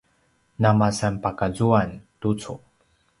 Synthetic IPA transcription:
namasanpakazuantut͡su

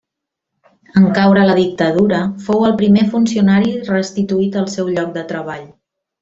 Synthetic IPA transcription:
əŋkawɾələðik̚t̪əð̞uɾəfowəlˠpɾimefunsiunaɾirəst̪it̪uit̪əlˠsɛwʎɔk̚d̪ət̪ɾəβ̞aʎ

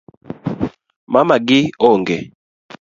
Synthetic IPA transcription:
mamaɡiɔŋɡɛ

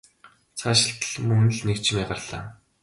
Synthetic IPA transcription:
t͡sʰaːʃɪ̆ɬt̪ə̥̆ɮmɵŋnɘ̆ɮnekt͡ɕʰɪmiːɢarɮa̰ː

